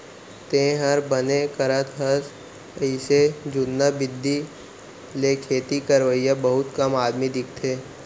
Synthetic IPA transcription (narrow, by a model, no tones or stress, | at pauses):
t̪ẽːɦəɾbənekəɾət̪ɦəs | ɪsed͡ʒʊnːabɪd̪ːi | lekʰeːt̪ikəɾʋəijabəɦʊt̪kɐmaːd̪mid̪ɪk̚ʰt̪ʰeː